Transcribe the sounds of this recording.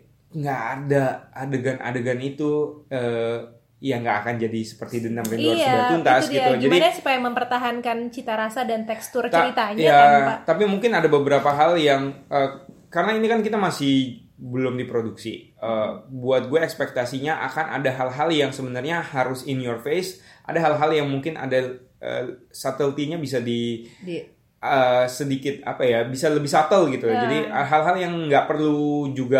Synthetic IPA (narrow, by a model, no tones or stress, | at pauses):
ŋɡaʔːdaadəɡanʔa̰dəɡanit̪uəː | jaŋɡaakand͡ʒadisə̥pərt̪idənt̪anɛd̪aunt̪asdɡit̪ud͡ʒamdinsu̥pajaməmpərt̪aɦankant͡ʃit̪aɾasadant̪ɛkst̪ʊrt͡ʃt̪əaɾit̪aɲjaaat̪apimuŋkɪnadabəbəɾapaɦaljaŋʔəː | karənainikankit̪amasɪh | bəlʊmdipɾoduksḭ | əbuat̪̚ɡuaɛkspɛk̚t̪asiɲaʔa̰kanʔa̰daɦalɦaljaŋsəbənarɲahaɾʊsɪnjɔrfesʔa̰daɦalɦaljaŋmuŋkɪnʔa̰da | ə̰sat̪əlt̪iɲabis̬adi | əsədikɪt̪̚a̰pajabisaləbɪhsat̪əlɡit̪ud͡ʒadiɦalɦaljaŋŋɡaʔpərlud͡ʒuɡa